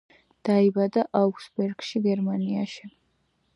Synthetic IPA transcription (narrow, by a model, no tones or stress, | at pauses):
d̪̥aibad̪aʔauksbɛɾɡ̥ʃiɡɛɾmaniaʃi